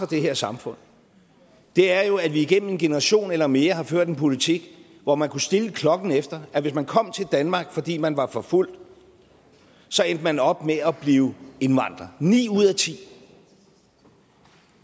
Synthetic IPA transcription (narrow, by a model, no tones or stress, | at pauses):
ɒd̥e̝ɦeɐ̰sɑ̈mfɔ̽n̰ | d̥e̝æɐjo̝æʋiiɡ̥en̰m̩e̝nɡ̥e̝nəʁɑ̈ɕo̝̰ːnelɐme̝ːɐɦɑ̈føɐ̰d̥enpʰo̝lit͡sʰiɡ̥ | ʋɒmænkʰusd̥e̝ləkʰlɒ̽ɡ̥n̩efd̥ɐæʋe̝s̬mænkʰɒ̽m̰t͡sʰe̝ld̥ænmɑ̈ːɡ̥fɒ̽d̥ḭːmænʋɑ̈fɒ̽ful̰d̥ | sɒ̽end̥əmænɒ̽b̥meɒb̥liːʊe̝nʋɑ̈n̰d̥ʁɐnḭːuð̰ˠæt͡sʰḭː